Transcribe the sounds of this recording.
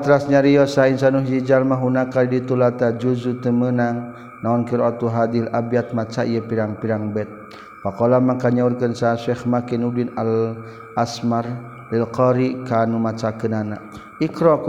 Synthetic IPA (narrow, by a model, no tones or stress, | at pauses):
at̪ɾasɲaɾiɔsainsanuɦd͡ʒid͡ʒalmaɦunakaidit̪ulat̪ad͡ʒuzut̪əmənaŋ | naɔnkiɾɔt̪uɦad̪ilabijat̪̚mat͡ʃaijəpiɾaŋpiɾaŋbɛt̪̚ | wakɔlamakaɲaurkənsaʃɛxmakinudinal | asmar | lilqɔɾikanumat͡ʃakənana | ikɾɔk